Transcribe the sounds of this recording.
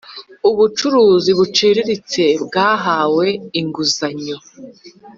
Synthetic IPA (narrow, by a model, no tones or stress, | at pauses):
uβut͡ʃuɾuːziβut͡ʃiːɾiɾit͡se̞bɡaːɦaːwe̞iŋɡuzaɲo